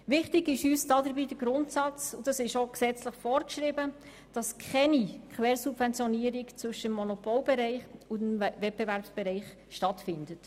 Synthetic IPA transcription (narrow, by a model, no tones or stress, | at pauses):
ʋɪχtɪɡɪʃyːsd̥ɑdəɾbiːd̥əɡɾʊntsɑt͡sʊd̥ɑsɪʃoksɛt͡sləχfɔːɾkʃɾɪbə | d̥ɑskʰχɛnikʰχʋɛːɾsubvɛnt͡sjɔniəɾikt͡sʋʏʃəəmːɔnɔpolbɛɾɛɪχʊmvɛt̚b̥evæɾpsb̥ɛɾɛɪχ | ʃtɑtfɪndət